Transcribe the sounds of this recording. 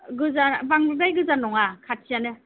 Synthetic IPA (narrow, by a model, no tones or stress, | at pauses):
ɡɯzabaŋbɯdajɡɯzanɔŋakʰat̚sʰijanɯ